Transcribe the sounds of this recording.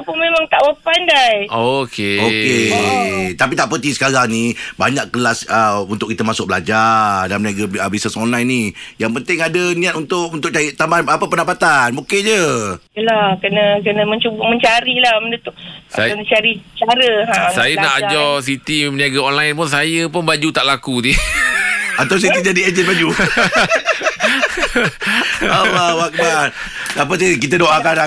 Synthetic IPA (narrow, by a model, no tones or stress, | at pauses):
apʊmemãŋt̪aʔwəpandajokeoke | t̪ap̬it̪aʔpət̪ihsə̥kaɾaŋnibaɲaʔkəlasəunt̪ʊʔkit̪əmasʊk̚bəlad͡ʒadanməniaɡaəbisəsɔnlajnijaŋpənt̪ɪŋadənĩat̪̚unt̪ʊʔunt̪ʊkʔt͡ʃajət̪ambaanapəpəndapat̪anmuked͡ʒəəlakənə̃kənə̃mə̃ɲt͡ʃubəʔməɲt͡ʃaɾilahmənət̪ʊʔaənət͡ʃaɾit͡ʃaɾəasajənaʔad͡ʒɔs̬it̪iməniaɡaɔnlajnp̬ʊns̬ajəp̬ʊnbad͡ʒut̪aʔlakudi | at̪aws̬it̪id͡ʒadied͡ʒənbad͡ʒu | awawakəban | ap̬əs̬ajk̬it̪̬ədoʔaka